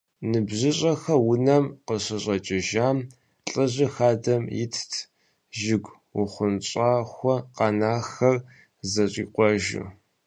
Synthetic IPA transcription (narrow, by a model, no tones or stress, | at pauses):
nɨbʑɪɕʼɐxɐwʊnɐmqəɕɪɕʼɐt͡ʃʼɪʒaːm | ɬʼɨʑɪxaːdɐmjɪ̰tʰtʰ | ʒɪɡʷ | ʊχʷʊnt͡ɕʼaːxʷɔqɑnaːxɐr | zɐɕʼḭːqʷɔʒṵ